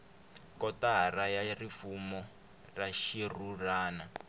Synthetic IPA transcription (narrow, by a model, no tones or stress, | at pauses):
kɔtaɦarajarifumɔ | raʃiruraːna